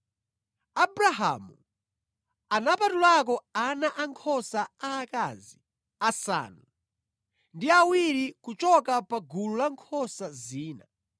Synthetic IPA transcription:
abɾaɦa̰mṵ | anapatulak̬ɔanaʔaŋkʰɔsaaːkazi | asa̰ːnu | ndiawiɾikut͡ʃɔkapaɡululaŋkʰɔsaziːna̰

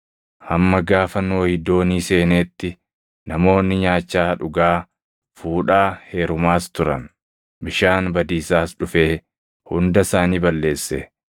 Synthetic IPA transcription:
hɐmːɐɡaːfɐnːo̞ːhɪd̪ːo̞ːniːse̞ːneːt̪ːɪ | nɐmo̞ːnːɪɲaːt͡ʃːaːᶑʊɡaː | fuːᶑaːhe̞ːɾʊmaːst̪ʊɾɐ̰n | bɪʃaːnbɐd̪iːsaːsᶑʊfe̞ː | hʊnd̪ɐsaːniːbɐlːe̞ːsːɛ

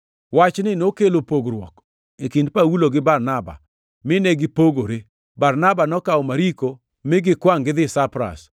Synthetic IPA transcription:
wat͡ʃnɪnokelopoɡɾwɔ̰k | ekindpawuloɡɪbarnaba̰ | mɪneɡɪpoɡoɾe | barnabanɔkaɔmaɾiko | mɪɡɪkwaŋɡɪðɪsapɾa̰s

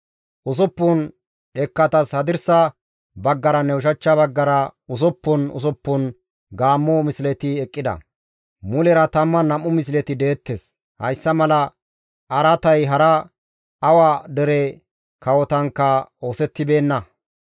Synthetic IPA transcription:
ʔʊs̬ɔpːʊn | ᶑɛkːɐt̪ɐshɐd̪ɪɾsɐ | bɐɡːɐɾɐnɛʊʃ̬ɐt͡ʃːɐbɐɡːɐɾɐʊs̬ɔpːʊnʊ̰s̬ɔpːʊn | ɡaːmːɔmɪslɛt̪ɪɛkʼːɪd̪ɐ̰ | mʊlɛɾɐt̪ɐmːɐnɐmːʊmɪs̬lɛt̪ɪd̪e̞ːt̪ːes | hɐ̰jsːɐmɐlɐ | ʔɐɾɐt̪ɐjɦɐɾɐ | ɐwaːd̪ɛɾɛ | kɐwɔt̪ɐŋkːɐo̞ːsɛt̪ːɪbe̞ːnːɐ

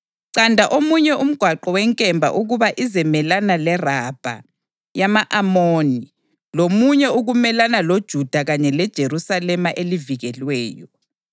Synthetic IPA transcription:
ǀandʱaʔomuɲɛum̩ɡ̥ʱwaǃɔwɛŋkʼɛmbʱa̰ʔuɣuβaʔizɛmɛlanalɛrab̥ʱa̰ | jamaʔamoːni | lomuɲɛuɣumɛlanalod̥ʒ̥ʱud̥ʱaɣaɲɛlɛd̥ʒ̥ʱeɾusalɛmaʔeliviɣɛlwɛːjɔ

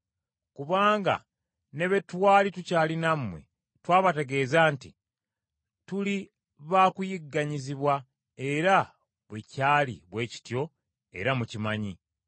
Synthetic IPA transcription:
kuβaːŋɡa̰ | ne̞βe̞twaːlitucaːlinamwe̞̰ | twaːβate̞ɡe̞ːzaːntḭ | tuli | βaːkujiɡːaɲiziβwa | e̞ɾa | βwecaːlḭβwe̞ːci̥tjo̞ | e̞̰ɾamucimaɲi

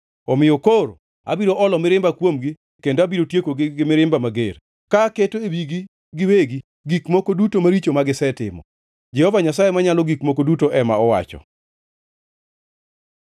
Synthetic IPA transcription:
ɔmɪjokoɾo | a̰biɾoʔɔlɔmɪɾɪmbakwomɡi | kendoabiɾotjekoɡɪɡɪmɪɾɪmbamaɡeɾ | kaketoewiɡi | ɡɪweɡi | ɡikmokodutomaɾit͡ʃomaɡɪsɛtɪ̰mɔ̰ | d͡ʒɛhɔvaɲasajemaɲalɔɡikmokodutoʔɛmaɔwa̰t͡ʃɔ̰

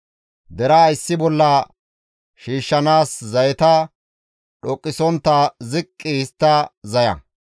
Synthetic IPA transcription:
d̪ɛɾɐːjsːɪbɔlːɐ | ʃiːʃːɐnaːszɐjɛt̪ɐ | ɗɔkʼːɪsɔnt̪ːɐzɪkʼːɪɪst̪ːɐzɐjɐ̰

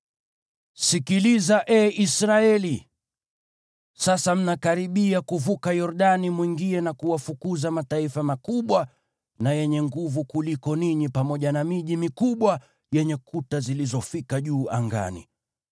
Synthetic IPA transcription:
sikilizaʔɛʔisɾaɛli | sasam̩nakaɾiɓiakuvukajɔɾɗanimwiŋɡiɛnakuwafukuzamataifamakuɓwa | najɛɲɛŋɡuvukulikɔniɲipamɔʄanamiʄimikuɓwa | jɛɲɛkutazilizɔfikaʄuːʔa̰ŋɡa̰nḭ

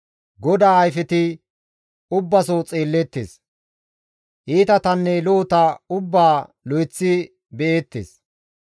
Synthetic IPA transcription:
ɡɔd̪aːɐjfɛt̪ɪ | ʊbːɐsot͡sʼeːlːɛt̪ːeːs | ʔiːt̪ɐt̪ɐnːɛloːt̪ɐʊbːaː | lɔjt͡sːɪ | bɛeːt̪ːḛːs

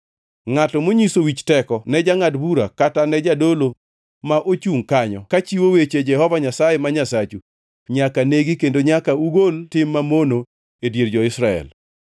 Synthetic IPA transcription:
ŋatɔmoɲisowit͡ʃtɛkɔnɛd͡ʒaŋadbuɾakatanɛd͡ʒadolo | maʔot͡ʃuŋkaɲɔkat͡ʃiwowet͡ʃed͡ʒɛhɔvaɲasajemaɲasat͡ʃu | ɲakaneɡikendoɲakauɡoltɪmːamono | edjeɾd͡ʒɔɪsɾaɛ̰l

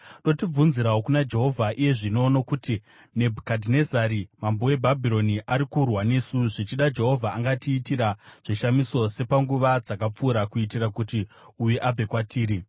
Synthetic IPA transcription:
ɗo̞tib͡vunziɾaokunad͡ʒe̞ɦo̞vʱaʔije̞ʐino̞nokuti | ne̞bʱukadʱinezaɾimambowe̞bʱabʱiɾo̞niʔaɾikurwane̞suʐit͡ʃiɗad͡ʒe̞ɦo̞vʱaːŋɡatiːtiɾaʐ̥iʃamiso̞se̞paŋɡuʋad͡zakap͡fuːɾakuit̬iɾakutiujeʔab͡ve̞kwatʰiːɾi

